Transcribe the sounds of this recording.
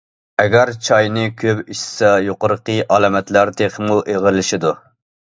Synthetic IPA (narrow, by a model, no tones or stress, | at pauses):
ɛɡʲæɾt͡ʃʰɑjnɨkʲʰøpiʃsɛjoqəɾqəʔɑlɑmɛt̪læɾt̪ʰeχmuʔeʁəlɪʃɪd̪u